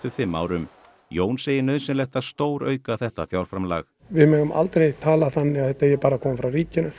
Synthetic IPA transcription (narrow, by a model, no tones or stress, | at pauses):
t̪ʏfɪmːa̰ːwɾʏm | joːwnsejɪɾnœːðsɛnlɛxt̪ast̪oːwɾœ̰ːɥkaθɛht̪afjawɾ̥fɾamla̰x | vɪðmɛːɣʏmʔa̰lt̪ɾejt̪ʰaːlaθanːɪɣaθɛht̪ajɛpaːɾakʰɔːmfɾawriːcɪnʏ